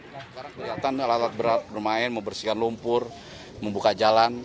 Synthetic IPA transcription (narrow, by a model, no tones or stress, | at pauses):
sə̥kaɾaŋkəliat̪analat̪at̪̚bəɾat̪̚bərmaɪnməmbərsikanlumpʊr | məmbukad͡ʒalan